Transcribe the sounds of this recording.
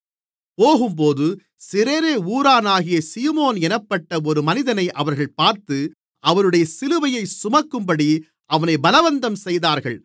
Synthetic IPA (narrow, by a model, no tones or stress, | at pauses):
poːɣɯmp̬oːðɯ | sɪɾeːɾeːuːɾaːnaːɣɪjɐsiːmoːnɛnɐpːɐʈːɐɔɾɯmɐnɪðɐnɐɪʔɐʋɐɾɣɐɭpaːɾt̪ɯ | ʔɐʋɐnɯɽɐjɐsɪlɯʋɐjɐɪsʊmɐkːɯmpɐɽi | ʔɐʋɐnɐɪbɐlɐʋɐnd̪ɐmsɛjðaːɾɣɐɭ